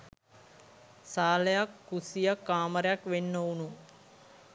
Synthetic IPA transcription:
saːləjakːusijəkːaːməɾejakʋenːounu

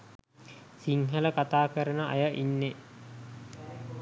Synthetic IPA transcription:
siŋɦələkat̪aːkəɾənəa̰jəʔinːe

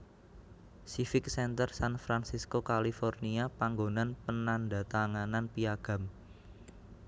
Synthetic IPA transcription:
sifɪk̚sɛnt̪ərsanfɾansiskokalifɔrniapaŋɡonanpənanda̤t̪aŋananpiaɡ̥a̤m

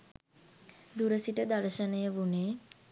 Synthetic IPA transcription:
d̪uɾəsiʈəd̪aɾʃənejəbuneː

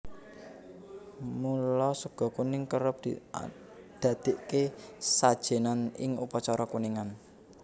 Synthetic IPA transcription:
mulɔsəɡ̥ɔ̤kunɪŋkəɾəp̚d̪̥i | d̪̥a̤d̪̥e̤ʔkesad̥ʒ̥e̤nanɪ̰ŋṵpɔt͡ʃɔɾɔkuniŋan

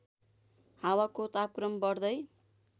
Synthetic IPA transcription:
hawakot̪ap̚krʌmbʌrd̪ʌj

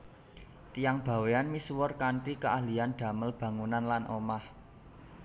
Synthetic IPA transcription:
t̪ijaŋb̥ä̤weanmisuwɔrkaɳʈikəʔahlianɖ̪̥ä̤məlb̥ä̤ŋunanlanʔomah

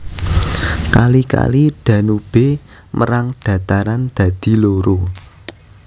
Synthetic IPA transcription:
kalika̰liɖ̪̥ä̤nub̥e | mʔəɾaŋɖ̥ä̤t̪aɾand̪̥ä̤d̪̥i̤loɾo

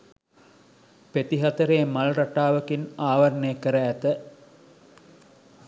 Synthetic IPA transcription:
pet̪iɦat̪əɾeːmalɾaʈaːʋəkinaːʋaɾnejəkəɾəːt̪ə

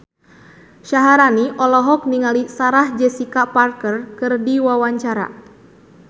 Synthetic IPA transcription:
ʃaɦaɾaniʔɔlɔɦɔk̚niŋalisaɾahd͡ʒɛsikaparkərkɨrdiwawaɲt͡ʃaɾa̰

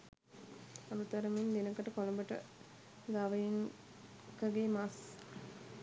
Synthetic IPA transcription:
anut̪ɐɾəmend̪enəkəʈəkoləmbəʈə̰ | ɡ̪aʋɐjiŋ | kəɡeːmas

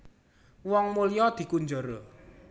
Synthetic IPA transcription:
wɔŋmulijɔd̪̥i̤kuɲd͡ʒoɾo

